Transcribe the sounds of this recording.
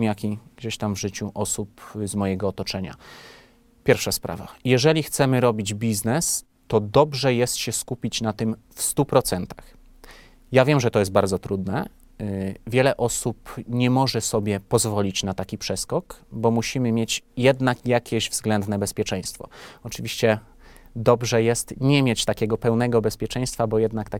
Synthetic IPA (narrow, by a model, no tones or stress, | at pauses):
mjakʲiɡ̥d͡ʑeɕt̪amvʐɘt͡ɕuʔɔsupzmɔjɛɡɔːt̪ɔt͡ʂɛɲa̰ | pʲjɛɾfʂaspɾa̰va̰jɛʐɛlʲixt̪sɛmɘɾɔbʲid͡ʑbʲiznɛs | t̪ɔd̪ɔbʐɛjɛst̪ɕɛskupʲit͡ɕnat̪ɘm | fst̪upɾɔt̪sɛnt̪ax | javʲjɛmʐɛt̪ɔjɛs̬̚baɾd̪zɔt̪ɾud̪nɛ | vʲjɛlɛʔɔsupɲɛmɔʐɛsɔbʲjɛpɔzvɔlʲit͡ɕnat̪akʲipʂɛskɔkbɔmuɕimɘmʲjet͡ɕjɛd̪nakjakʲɛʑvzɡlɛnd̪nɛbɛspʲjɛt͡ʂɛ̃j̃st̪fɔ̰ɔt͡ʂɘvʲiɕt͡ɕɛ | d̪ɔbʐɛjɛst̪ɲɛmʲjet͡ɕt̪akʲɛɡɔpɛwnɛɡɔbɛspʲjɛt͡ʂɛ̃j̃st̪fabɔjɛd̪nakt̪a